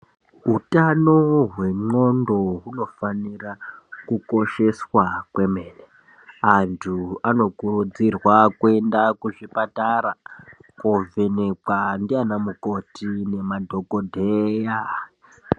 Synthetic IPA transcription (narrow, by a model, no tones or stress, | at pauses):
ɦutano̞ɦwe̞ŋ͡ǃo̞ndo̞ɦuno̞fanirakuko̞ʃe̞swakwe̞meːne | antʰuano̞kurud͡zirwakue̞ndakuʐipataɾakove̞nekandianamuko̞tine̞madʱo̞kodʱeja